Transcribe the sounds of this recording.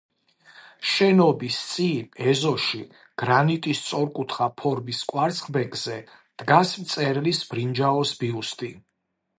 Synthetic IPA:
ʃɛnɔbist̪sʼiɛzɔʃi | ɡ̥ɾanit̪ʼist̪sʼɔɾkʼut̪ʰχapʰɔɾmiskʼwaɾt̪sχbɛkʼz̥ɛ | d̪̥ɡasmt̪sʼɛɾlisbɾind͡ʒaɔsbiust̪ʼi

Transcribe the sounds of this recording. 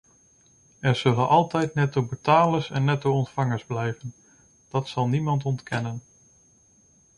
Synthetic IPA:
ɛɹz̥ɵlənʔɑlˠtɛjtnɛtowbətaːləsɛnːɛtowɔntfɑŋəɹzblɛjvən | d̥ɑtsɑlˠnimɑntɔntkɛnən

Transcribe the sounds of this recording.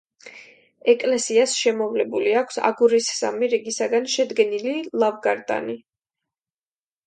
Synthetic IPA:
ɛkʼlɛsiasʃɛmɔvlɛbuliakʷʰsa̰ɡuɾisːa̰miɾiɡisaɡanʃɛd̪ɡɛnililˠavɡaɾd̪a̰ni

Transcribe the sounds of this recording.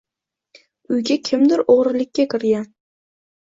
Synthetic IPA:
ʊjɡʲakʲʰɪmd̪ɪɾoʁɾɪlɪkʲːakʰʲɪɾjʲan

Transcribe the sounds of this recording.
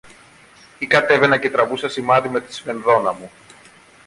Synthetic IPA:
ikɐt̪e̞ve̞nɐce̞t̪ɾɐvusɐsimɐðime̞t̪i̥sfe̞nðo̞nɐmu

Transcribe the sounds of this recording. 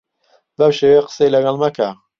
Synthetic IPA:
bɐmʃeːweqə̥sejlɐɡɑlˠmakʰa

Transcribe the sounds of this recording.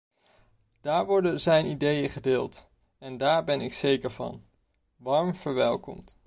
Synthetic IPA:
d̥aːɹʋɔɹdənzɛjnidejəχədɪːlˠt | ɛndaːɹbɛnɪksejkəɹvɑ̰n | ʋɑɹmv̥əɹʋɛlˠkɔ̰mt

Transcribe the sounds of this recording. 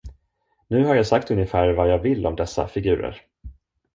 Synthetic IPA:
nʉ̟ːɦaɾjaːsak̚t̪ɵnjəfæːɾvajɑːɡvɪlːʔɔmd̪ɛsːa̰fɪɡʉ̟ːɾə̰ɾ

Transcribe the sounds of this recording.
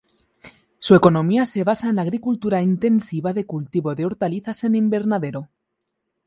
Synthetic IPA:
sue̞ko̞nõ̞miase̞β̞asaenlaɣɾikult̪uɾaint̪e̞nsiβaðe̞kult̪iβo̞ðeo̞ɾt̪aliθase̞nimbe̞ɾnaðe̞ɾo

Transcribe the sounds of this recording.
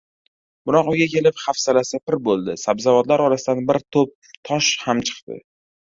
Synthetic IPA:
b̥ʊɾɒqʊɡʲakʲʰe̞lɪpχafsalasɪpɪɾbolˠd̪ɪsabzavɒd̪laɾɒɾasɪd̪anbɪɾt̪ʰop̚ | t̪ʰɒʃhamt͡ʃʰɨ̥qt̪ɪ̰

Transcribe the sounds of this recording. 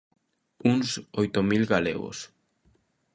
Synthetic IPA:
uŋsojt̪omilɣalḛɣo̰s

